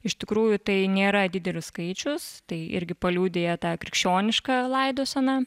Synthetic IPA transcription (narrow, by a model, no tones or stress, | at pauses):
ɪʃt̪ʲɪkɾuːjʊt̪ɐɪnʲeːɾɐd̪ʲɪd̪ʲɛlʲʊsskɐɪt͡ʃʲʊst̪ɐɪɪ̰ɾʲɡʲɪpɐlʲuːd̪ʲeːjɛt̪ɑːkɾʲɪkʃʲt͡ʃʲoːnʲɪʃkɐlˠɐɪd̪oːsɐnɑ